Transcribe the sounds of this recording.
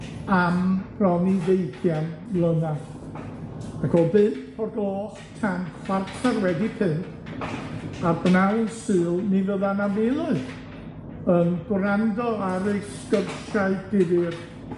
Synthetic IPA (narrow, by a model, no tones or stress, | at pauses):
ampʰrɔniðejθjanlˠəna | akʰɔlˠbɨnpʰɔdoːχtʰanχwartʰarwɛdipʰɨnt | abnawsɨːlˠnivəðanavɪlˠɨ | ənɡwrandɔaɾeskərʃaɨd̥ɪðɨr